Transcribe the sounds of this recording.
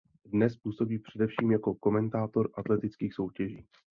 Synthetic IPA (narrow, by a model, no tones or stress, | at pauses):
dnɛspuːso̞biːpr̥ɛdɛfʃiːmjako̞ko̞mɛnt̪aːt̪o̞ɾʔat̪lɛt̪ɪt͡skiːxso̞wcɛʒiː